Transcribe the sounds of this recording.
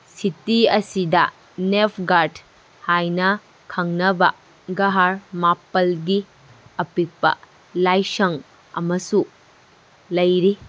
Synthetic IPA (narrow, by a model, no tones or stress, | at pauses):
sitiɐsidɐ̰ | nepʰɡaɾd | hajnɐ | kʰɐŋnɐbɐ̰ | ɡɐɦaɾmapːɐlɡi | ɐpik̚pɐ̰ | lajsɐŋ | ɐ̰mɐsu | lɐjɾi